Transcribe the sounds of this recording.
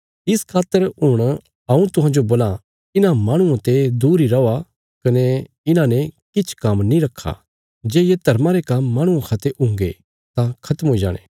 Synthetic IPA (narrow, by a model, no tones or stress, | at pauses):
ɪskʰaːt̪ːəɾɦʊɽ̃ | ɐũt̪ʊɦãːd͡ʒoboːla | ɪnãmaːɽ̃ʊãt̪ed̪uːɾiɾɐa | kɐne | ɪnãnɛkɪt͡ʃʰkɐmnĩɾɐkʰːa̰ | d͡ʒeːjed̪ʱɐɾmaɾekɐmːãːɽ̃ʊ̃ãkʰaːt̪eʔʊ̃ŋɡe | t̪ãkʰɐt̪əmɦoːid͡ʒa̰ːɽ̃ḛː